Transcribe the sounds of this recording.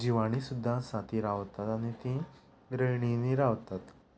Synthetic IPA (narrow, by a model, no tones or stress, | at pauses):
d͡ʑiʋaɽ̃isud̪ʱːasat̪iɾaʋt̪at̪aɽ̃it̪ĩ | bɾəɭɳiniɾaʋt̪at̪